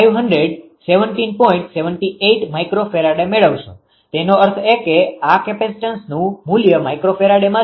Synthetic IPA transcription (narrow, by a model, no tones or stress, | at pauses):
ajʋɦənɖɾeɖ | seʋəɳʈinpɔĩɳʈseʋəɳʈieʈmajkɾofʰeɾaɽemeɭəʋʃṵ̃ | t̪enoəɾt̪ʰekeakepesʈənsnũmuljəmajkɾofeɾaɽemã